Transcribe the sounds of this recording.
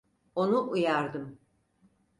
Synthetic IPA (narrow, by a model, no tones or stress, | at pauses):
o̞nuʔujaɾd̪ɯm